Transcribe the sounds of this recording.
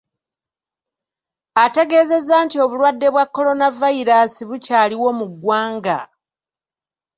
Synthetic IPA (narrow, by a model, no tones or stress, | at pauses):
ate̞ɡe̞ːze̞zaːntio̞βulwadːe̞βwakːo̞lo̞navaiɾasiβucaːliwo̞muɡwaːŋɡa̰